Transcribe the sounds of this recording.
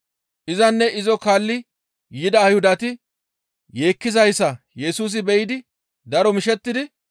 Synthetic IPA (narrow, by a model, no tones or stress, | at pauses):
ʔɪzɐnːɛʔɪzɔkaːlːɪ | jɪd̪ɐːjhʊd̪ɐt̪ɪ | je̞ːkːɪzɐjsːɐ | jɛsuːs̬ɪbɛjɪd̪ɪ | d̪ɐɾɔmɪʃɛt̪ːɪd̪ɪ